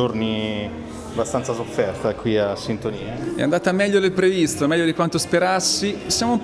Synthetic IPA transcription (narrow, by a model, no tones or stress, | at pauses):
orni | abast̪ant̪sasofːɛrt̪aɛkwiasːint̪oniːaɛ̰a̰nd̪aːt̪amɛʎːod̪elpɾevist̪omɛʎːod̪ikwant̪ospeɾasːisjaːmoum